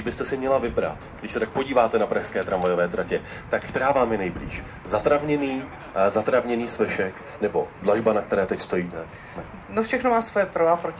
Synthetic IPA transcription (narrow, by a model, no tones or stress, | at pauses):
bɪst̪ɛsɪmɲɛlavɪbɾa̰t̪ɡdɪʃsɛt̪ak̚po̞ɟiːvaːt̪ɛnapɾaʃskɛːt̪ɾaɱvajo̞vɛːt̪ɾacɛt̪akkt̪ɛɾaːvaːmjɛnɛjblḭːʃ | zat̪ɾavɲɛniː | zat̪ɾavɲɛniːsvɛʃɛk | nɛbo̞dlaʒbanak̚t̪ɛɾɛːt̪ɛcst̪o̞jiːt̪ɛ | nofʃɛxnomaːsvojɛpɾoapɾo